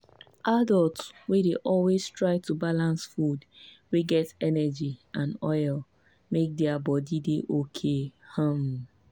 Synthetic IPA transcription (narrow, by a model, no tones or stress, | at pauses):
ʔadɔltswedeʔɔlwestɹaɪtubalãnsfud | weɡɛtɛnɛd͡ʒiãnɔɪl | mek̚dɛabɔdideʔokʰehãm